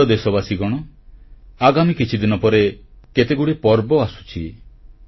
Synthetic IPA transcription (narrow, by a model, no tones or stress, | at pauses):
ɔd̪esɔbasiɡɔɽ̃ɔ | aɡamikit͡ʃʰid̪inɔpɔɾe | ket̪eɡuɽipɔɾbɔasu̥t͡ʃʰḭ